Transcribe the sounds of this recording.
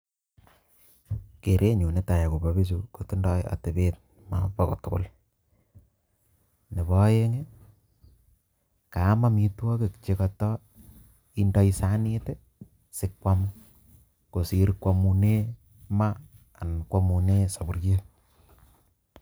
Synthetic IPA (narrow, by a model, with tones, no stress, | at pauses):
ke˨ɾʔe˦ɲu˨ne˦ta˨ja˨ko˨ba˨βi˦s̬u˦ko˨tu˦ndɔ˦ja̰˨te˨be˦t̚ | ma̰˨pa˦ko̰˨tʊ˦kʊ̰˦˨l | ne˨βɔ˦je˦ŋe˦ | ka˨˦ma˦mi˦twɔ˦ke˨kt͡ʃe˦ka˨tɔ˦ | i˦ndɔ˦i˦sa˦ni˦te˦ | sɪ˦kwa˦m | ko˨si˦ɾkwa˨mu˨ne˦ | maː˦˨ | nkwa˦mu˨ne˦sa˨bu˨ɾje˦